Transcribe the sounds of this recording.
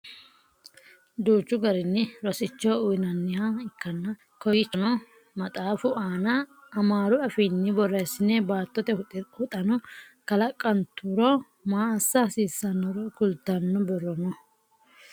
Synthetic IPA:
d̪uːt͡ʃːʊɡɐɾɪnːɪɾɔsɪt͡ʃːɔʊjnɐnːɪhaɪkːɐnːɐ | kɔjɪt͡ʃːɔnɔ | mɐt̪ʼaːfʊʔaːnɐː | maːɾʊɐfɪnːɪbɔrːɛsːɪnɛbaːt̪ːɔt̪ɛhʊt̪ʼɐnɔ | kɐlɐkʼːɐnt̪ːuɾɔ | maːsːɐsiːsːɐnːɔɾɔkʊlt̪ːɐnːɔbɔrːɔnɔ

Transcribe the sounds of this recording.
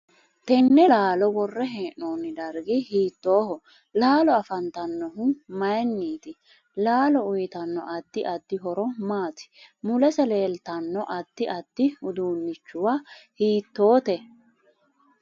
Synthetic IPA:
t̪ɛnːɛlaːlɔwɔrːɛɦeːʔoːnːɪd̪ɐɾɡɪhiːt̪ːo̞ːhɔ | laːlɔɐfɐnt̪ɐnːɔɦʊmɐjɛnːiːt̪ɪ | laːlɔʊjɪt̪ɐnːɔ̰ʔɐd̪ːɪʔɐd̪ːɪɦɔɾɔmaːt̪ɪ̥mʊlɛsɛle̞ːlt̪ɐnːɔʔɐd̪ːɪʔɐd̪̥ːɪʊd̪uːnːɪt͡ʃːʊwahiːt̪ːo̞ːt̪ɛ

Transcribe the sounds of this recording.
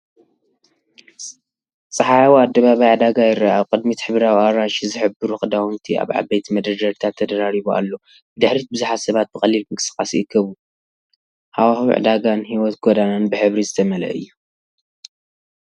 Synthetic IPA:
t͡sʼɨħawad̪ːɐβaβajʕd̪aɡajɪɾaaβkʼɨd̪mit̪ħɨβɾawiaɾaʃizɨħɨbɨɾuxʼɨd̪awunt̪ʰia̰βʕa̰bejt̪ʰimɐd̪ɾɐd͡ʒɐɾt̪ʰat̪ʰːɐd̪ɐɾaɾiβua̰lːo̞ | bd̪ɨħɾit̪̚bɨzuħat̪sɐβat̪̚bɨxʼɐlːilmɨkʼɨsɨ̥kʼːasɨkʰːɐβu | hawahḭʕ̰d̪aɡanɦiwɔt̪ɡod̪ananbɨħɨβɾizɨt̪ʰɐmɐlɐ̰ʔɨ̰jːu

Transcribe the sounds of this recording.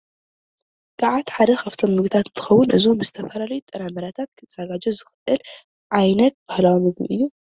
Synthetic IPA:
kʰʼaʕat̪ħad̪ɐxaft̪ʰo̞mːɨɡt̪ʰat̪ɨnt̪ʰɨ̥xɐwːʊnʔɨzumbɨzɨt̪ʰɐfɐlalɐjut̪ʼːɐnamɐɾat̪ʰat̪̚kʰɨt̪ʰz̥aɡad͡ʒozɨxʔɨl | ʕajnɐt̪̚b̥ahlawomɨɡmḭʔɨ̰jːu

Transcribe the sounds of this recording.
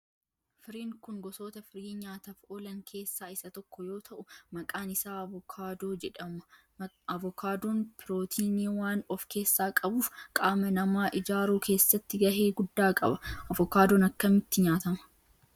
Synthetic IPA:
fɪɾiːŋkʊŋɡɔsoːt̪ɐfɪɾiːɲaːt̪ɐfoːlɐŋkʰe̞ːsːaːɪsɐt̪ɔkːɔjo̞ːt̪ʰɐʔʊmɐkʼaːnɪsaːkʰaːd̪oːd͡ʒɛᶑɐmɐ | ɐvɔkaːd̪oːnpʰɪɾoːt̪ʰiːniːwaːnɔfke̞ːsːaːkʼɐbuːfkʼaːmɐnɐmaːʔɪd͡ʒaːɾuːke̞ːsːɐt̪ːɪɡɐɦeːɡʊd̪ːaːkʼɐ̰bɐɐvɔkaːd̪oːnɐkːɐmɪt̪ːɪɲaːt̪ɐmɐ̥

